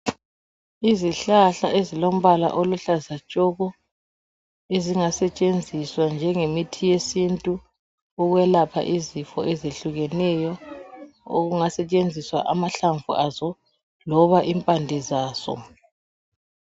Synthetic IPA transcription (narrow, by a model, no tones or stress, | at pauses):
iziɬaɬaʔezilom̩βala̰ʔoluɬazat͡ʃʼɔɣɔ | eziŋasɛt͡ʃʼend͡zʱiswand͡ʒʱɛŋemitʰijesintʼu | ɔɣwɛlapʰa̰ʔizifɔ̰ʔɛzeɬuɣɛnɛjɔ | o̰ɣuŋasɛt͡ʃʼend͡zʱiswa̰ʔamaɬaɱvṵazɔ | lɔβaʔimpʼandʱɛzaːsɔ̰